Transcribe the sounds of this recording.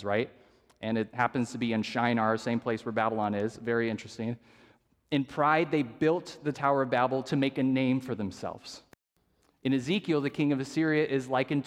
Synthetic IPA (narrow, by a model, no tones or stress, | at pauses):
zɹaɪt̚ | ʔɨ̃nɨt̚hæpɨ̃nz̥tʰɨbiɨ̃nʃãɪ̃nə˞sẽɪ̃mpʰl̥eɪswə˞bæbəl̩ˠɑ̃nɪzvɛɹiɪ̃nt͡ʃɹ̥ɨstɪ̃ŋ | ɨ̃npʰɹ̥aɪd̪̚ðeɪbɪlˠt̪̚ðɨtʰaʊə˞ʌvbæbl̩ˠtʰɨmeɪkɨnẽɪ̃ɱfə˞ðɨ̃msɛ̰lˠvz̥ | ɨ̃nɨzikjl̩ˠðɨkʰɪ̃ŋʌvɨsɪɹiɨʔɪzlaɪkɨ̃n